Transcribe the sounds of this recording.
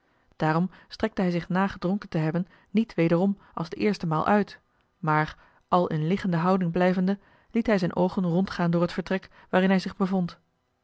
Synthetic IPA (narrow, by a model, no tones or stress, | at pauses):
d̥aːɾɔmstrɛk̚təɦɛjzɪχnaːχədrɔŋkəntəɦɛbənː | itʋejdərɔm | ʔɑlˠzdəʔɪːɹstəmaːlˠʔœɥt | maːɹ | ʔɑlˠɪ̰nlɪχəndəɦɑwdɪŋblɛjvəndə | litɦɛjzɛjnʔowχənrɔntχaːndʊːɹɦətfəɹtrɛk | ʋaːɾɪnɦɛjzɪχbəvɔnt